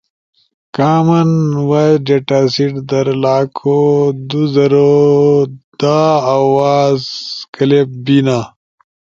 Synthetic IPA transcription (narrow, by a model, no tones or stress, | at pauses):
kaːmɐnwɐd͡ʒeʈaːsiʈd̪ɐɾlaːkʰod̪uzɐɾo | d̪̥aawaːzkɐlep̚binaː